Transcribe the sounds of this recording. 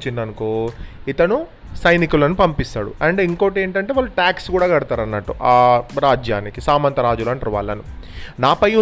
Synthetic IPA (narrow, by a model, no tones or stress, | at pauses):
t͡ʃːind̪ɐnukoːit̪ɐnu | sɐjnikulɐnupɐmpist̪a̰ːɽṵɐɳɖiŋkoʈe̞ːɳʈɐɳʈeːʋaːlːuʈaːkskuːɽaːɡɐɽut̪aːɾɐnːɐʈːuʔaːɾaːd͡ʒjaːnikisaːmɐnt̪ɐɾaːd͡ʒulɐnɾɐʋa̰ːlɐnunaːpɐju